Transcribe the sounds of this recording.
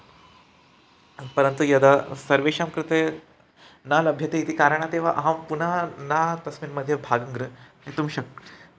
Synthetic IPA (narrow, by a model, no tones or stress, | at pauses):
pɐɾənt̪ujɐd̪asɐɾʋeɕamkɾɨt̪e | nalɐbʱjɐt̪eit̪iːkaɾəɳat̪eʋ̤aʔɐɦampunanat̪ɐsminməd̪ʱːjebʱaɡɐŋɡɾɨɦet̪umɕɐkɾ